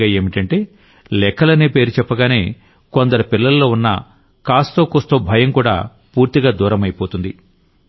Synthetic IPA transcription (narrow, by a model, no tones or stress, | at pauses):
aːe̞ːmiʈɐɳʈe̞ː | lɛkʰːɐlɐneːpe̞ːɾut͡ʃɛpːɐɡaːne̞ː | kond̪ɐɾɐpilːɐlɐlo̞ːunːɐ̰ | kaːst̪oːkost̪oːbʱɐjɐmkuːɽa̰ː | puːɾt̪iɡaːd̪uːɾɐmɐjpo̞ːt̪und̪i